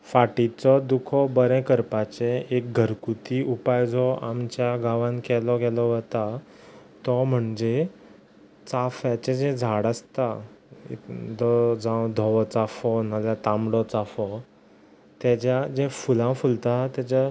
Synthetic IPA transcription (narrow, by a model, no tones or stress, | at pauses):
faʈit͡sɔd̪ukʰɔbəɾɛ̃kəɾpat͡seek̚ɡʱəɾkut̪iupajd͡zɔa̰mt͡ɕjaɡaʋãŋkɛlɔɡɛlɔʋət̪a | t̪ɔm̤əɳd͡ʑe | t͡safjat͡ɕed͡zẽd͡zʱaɽəst̪aḛkd͡zɔd͡zãw̃d̪ʱɔʋɔt͡safɔn̤əlat̪amɽɔt͡safɔ | t̪jat͡ɕjad͡ʑefulãfult̪at̪jat͡ɕa